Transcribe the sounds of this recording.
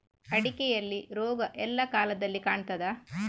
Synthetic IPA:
ɐɽikɛjɐlːiɾoːɡɐʔɛlːɐkaːlɐd̪ɐlːikaːɳt̪ɐd̪ɐ

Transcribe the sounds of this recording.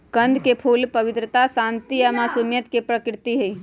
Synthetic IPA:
kənd̪ʱkepʰuːlpəʋɪt̪ɾət̪asãnt̪ijamaːsumjət̪kepɾəkɾɪt̪iɦəi

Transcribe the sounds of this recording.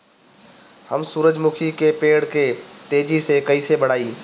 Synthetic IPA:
həmsuːɾəd͡ʒmʊkʰikepeːɽket̪eːd͡ʒisekɐisebɐɽ̤aːiː

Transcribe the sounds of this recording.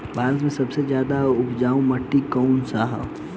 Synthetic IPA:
bʱaːɾət̪̬mẽsɐbsezjaːd̪aʊpd͡ʒaːũmɐʈːikɔːnsaːɦə̰

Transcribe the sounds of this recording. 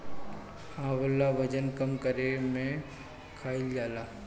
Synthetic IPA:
ãːʋəlːaʋəd͡ʒənkəmkəɾemẽ | kʰaːild͡ʒaːlaː

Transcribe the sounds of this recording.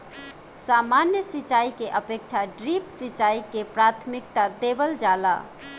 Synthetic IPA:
samanjəsit͡ʃaikeʔəpek̚t͡ʃʰaɖɾipsit͡ʃaikepɾat̪ʰmik̚t̪ad̪ebəld͡ʒala̰

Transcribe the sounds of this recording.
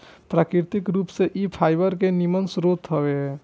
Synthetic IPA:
pɾaːkɾɪɾt̪ɪkɾuːpseʔipʰaːɪbəɾkenɪmənsɾoːt̪ɦəweɦɛ

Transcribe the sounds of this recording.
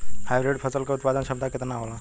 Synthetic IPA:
hajbɾeɖpʰɐsəlkeʊt̪̚pad̪ənʃɐb̚t̪akɪt̪naɦola

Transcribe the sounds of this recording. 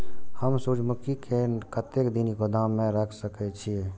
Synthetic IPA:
həmsud͡ʒmʊkikekət̪ekd̪iniɡod̪amːẽɾəkʰsəkɛt͡ʃʰie

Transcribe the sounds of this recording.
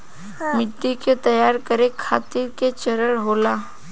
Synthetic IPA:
mɪt̪ːiket̪ɐjaːɾkəɾekʰaːt̪ɪɾket͡ʃɐɾəɽɦoːlaː

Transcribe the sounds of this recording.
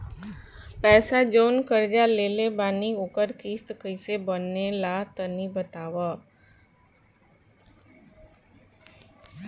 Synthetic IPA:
pɛːsad͡ʒoːnkəɾd͡ʒaleːlebaːniʊkəɾkiːst̪kəɪsebənːelat̪ənibət̪aːʋa

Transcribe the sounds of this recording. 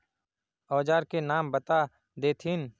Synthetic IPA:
ɔːd͡ʒaːɾkenaːmbət̪a | d̪eːt̪ʰɪn

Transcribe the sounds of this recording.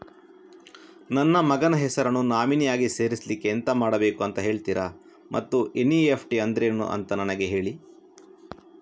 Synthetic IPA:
nɐnːɐmɐɡɐnɐɦɛsɐɾɐnːunaːminijaːɡise̞ːɾislikːent̪ɐmaːɽɐbe̞ːkuɐnt̪ɐɦe̞ːɭt̪iɾʔɐ | mʔɐt̪ːuʔenːiepʰʈiɐnd̪ɾenːṵʔɐ̰nt̪ɐnɐnɐɡe̞ɦe̞ːɭi

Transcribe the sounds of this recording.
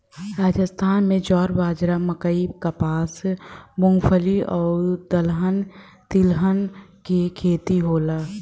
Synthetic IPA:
ɾaːd͡ʒəst̪ʰaːnmẽd͡ʒɔːɾbaːd͡ʒɾaməkəibkapaːsmʊŋɡpʰəliɔːɾd̪əlɦən | t̪ɪlɦənkekʰeːt̪iɦoːlaː

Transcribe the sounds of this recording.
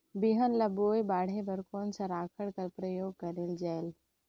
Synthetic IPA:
biɦənləboːjbaːɽ̤ebəɾkɔːnsə̃ɾaːkʰəɽkəɾpɾəjoːɡ̚kəɾeld͡ʒɛɪl

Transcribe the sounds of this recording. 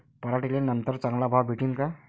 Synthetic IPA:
pʌɾaʈilenʌnt̪əɾt͡sʌŋlabʱawbʱiʈiŋka

